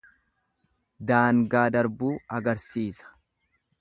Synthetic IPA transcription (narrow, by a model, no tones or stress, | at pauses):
d̪aːŋɡaːd̪ɐɾbuːɐɡɐɾsiːsɐ̥